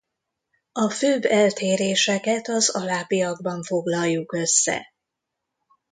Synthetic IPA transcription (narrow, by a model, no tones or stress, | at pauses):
ɒføːbːɛlt̪eːɾeːʃɛkɛt̪ɒzɒlaːbijɒɡbɒɱfo̞ɡlɒlːukø̞sːɛ̰